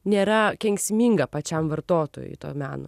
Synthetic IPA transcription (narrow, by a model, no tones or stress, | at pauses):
nʲeːɾɐkʲɛŋʲksʲmʲiːŋɡɐpɐt͡ʃʲɛmʋɐɾt̪oːt̪o̰ːjʊ̰jt̪o̰ːmʲæːno̰